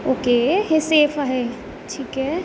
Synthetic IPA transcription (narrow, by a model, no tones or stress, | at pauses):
oːkeːɦeseːfaɦɛ | ʈʰiːkɦɛ